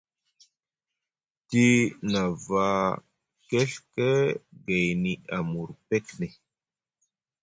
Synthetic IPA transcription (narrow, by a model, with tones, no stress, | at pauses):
ti˦na˨va˦ | ke˦ɬke˦ɡa˨jni˨a˨mu˨ɾpe˦kne˨